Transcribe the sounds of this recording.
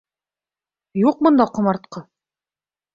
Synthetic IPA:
juq̚mŏnd̪ɑqŏmɑɾt̪̚qɤ

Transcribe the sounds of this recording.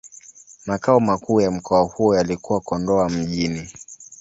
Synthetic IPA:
makaɔmakuːjam̩kɔahujɔjalikuwakɔndɔam̩ʄini

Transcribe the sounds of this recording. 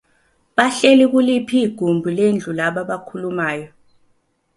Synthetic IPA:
ɓaɬɛlik̬ulipʰiːɡ̥ʱumbʱulend͡ɮʱulaɓaɓakʰulumaːjɔ

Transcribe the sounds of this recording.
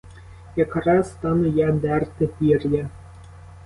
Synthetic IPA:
jɐkɾɑst̪ɑnɛjad̪ɛrt̪ɪpʲirʲjɐ

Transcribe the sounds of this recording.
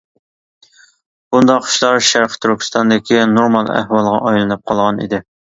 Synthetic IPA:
bund̪ɑqʰːʃlˠɑɾʃæɾqʰt̪ʰyɾkʲʰi̥st̪ʰɑnd̪ɪkʲinoɾmɑlˠæ̰hwɑlˠʁɑ̰ʔɑjlˠɨnɨp̚qʰɑlˠʁɑnḭd̪ɪ

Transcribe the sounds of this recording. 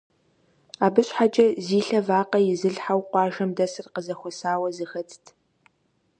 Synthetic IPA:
aːbɨɕħat͡ʃʼɐziːɬɐvaːqɐjɪzɨɮħawqʷɑːʒɐmdɐsɨrqəzɐxʷɔsaːwɐzɨxɐtʰtʰ

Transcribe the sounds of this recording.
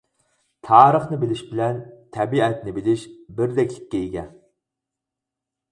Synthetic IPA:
t̪ʰɑːɾəχnɨbɪlɪʃbɪlɛnt̪ʰɛbiɛt̪nɪbɪlɪʃbɪɾd̪ɛkʲlɪkʲːɛjiɡʲɛn

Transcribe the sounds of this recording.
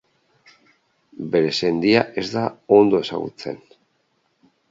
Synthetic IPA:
be̞ɾe̞se̞nd̪iaʔe̞zd̪ao̞nd̪o̞e̞sa̰ɣṵt͡se̞̰n

